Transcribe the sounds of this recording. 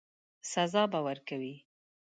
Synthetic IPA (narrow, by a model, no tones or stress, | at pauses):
sazɑbawaɾkawi